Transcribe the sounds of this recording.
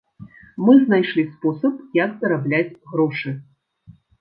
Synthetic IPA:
mɨznajʂlʲispɔsɐpjɐkt̪ɐɾablʲad͡zʲɣɾɔʂɨ

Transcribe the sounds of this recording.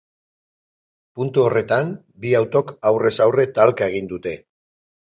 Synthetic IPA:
punt̪uo̞re̞t̪am | biawt̪o̞kawre̞sawre̞t̪alkae̞ɣ̞ind̪ut̪e̞

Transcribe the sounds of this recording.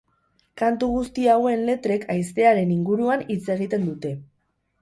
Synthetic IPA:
kant̪uɣ̞ust̪iawe̞nle̞t̪ɾe̞kʰajst̪e̞aɾe̞niŋɡuɾuanit͡se̞ɣit̪e̞nd̪ut̪e̞

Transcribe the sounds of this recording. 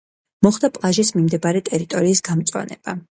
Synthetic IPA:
mɔχd̪apʼlˠaʒismimd̪ɛbaɾɛt̪ʼɛɾit̪ʼɔɾiːsɡ̥amt̪sʼwa̰nɛ̰b̥a

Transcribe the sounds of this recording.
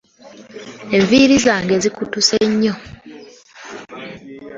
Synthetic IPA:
e̞ɱviːɾizaːŋɡe̞zikutuseɲːo

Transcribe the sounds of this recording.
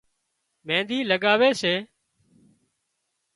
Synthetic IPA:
mẽːnd̪iːləɠaːʋeːseː

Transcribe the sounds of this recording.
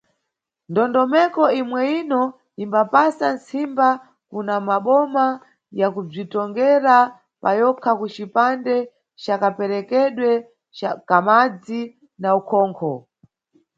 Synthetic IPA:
ndɔndɔmɛkɔimwɛinɔ | imbapasansimba | kunamaɓɔma | jakub͡ʐitɔŋɡɛɾa | pajɔkʰakut͡ʃipandɛ | t͡ʃakapɛɾɛkɛɗwɛ | akamad͡zi | naukʰɔːŋkʰɔ

